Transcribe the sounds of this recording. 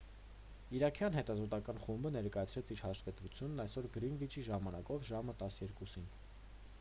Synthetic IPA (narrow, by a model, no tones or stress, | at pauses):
iɾɑkʰjɑnɦɛt̪ɑzɔt̪ɑkɑnχumbənɛɾkɑjɑt͡sʰɾɛt͡sʰiɾhɑʃvɛt̪vut͡sʰjunːɑjsɔɾɡɾinvit͡ʃiʒɑmɑnɑkɔvʒɑmət̪ɑsjɛɾkusin